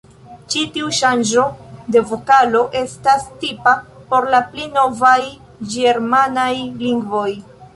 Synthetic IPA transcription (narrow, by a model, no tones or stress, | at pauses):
t͡ʃitiuʃand͡ʒo̞de̞vokalo̞ʔe̞stastipa | po̞ɾlaplino̞vaj | d͡ʒeɾmanajliŋɡvo̞j